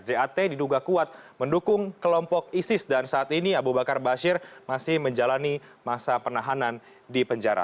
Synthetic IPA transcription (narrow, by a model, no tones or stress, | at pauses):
d͡ʒeat̪ediduɡakuat̪̚məndukʊŋkəlɔmpɔk̚isɪsdansaːt̪iniabubakarbaʃɪrmasɪhməɲd͡ʒalanimasapənaɦanan | dipəɲd͡ʒaɾa̰